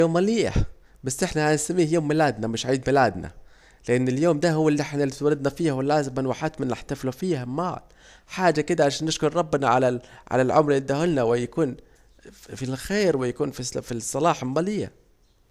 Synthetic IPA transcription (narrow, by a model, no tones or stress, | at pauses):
oːmːaliːa̰ | basːʔɪħnahansamːiːhjoːmːɪlaːd̪namɪʃʕiːd̪mɪlaːd̪na̰ | lɪʔanːɪljoːmd̪ahʊwːalːiʔɪħnalt̪waɾɪd̪̚nafiːhawɪlːaːzɪmɪnwaħat̪mɪnʔaħt̪aflufiːhama̰ːl | ħaːd͡ʒakɪd̪aʕalaʃaːnːɪʃkʊɾˤɾˤɑbːnaʕalaʕa̰lalʕʊmɾid̪ahʊlnawɪjakuːn | filxeːɾwɪjakuːnfisfisˤːɑlɑːħɪlmaliːja̰